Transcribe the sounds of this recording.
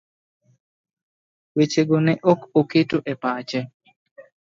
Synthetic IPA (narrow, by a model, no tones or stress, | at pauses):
wet͡ʃeɡonɛʔokoketoʔɛpat͡ʃɛ